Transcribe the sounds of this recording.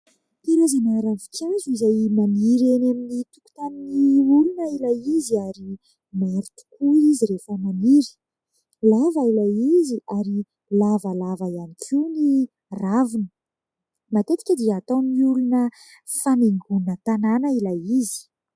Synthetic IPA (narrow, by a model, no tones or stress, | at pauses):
pilazanaɾavikʰewizuizajmaniɾenaminit̪uku̥t̪aniniulunəilajiziaɾi | meɾut̪u̥kuiziɾefəmaniɾi̥ | lavailajiziʔaɾi | lavəlavajanikʰʲuni | ravinə̥ | mat̪et̪i̥kʲəd̪iat̪omiulunə | faneŋɡunət̪ananəilajizi̥